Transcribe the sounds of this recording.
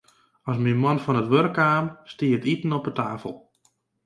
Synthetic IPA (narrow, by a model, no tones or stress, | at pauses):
ɔsminmɔnfɔnətʋørkaːmstiətitn̩ɔpətaːfəlˠ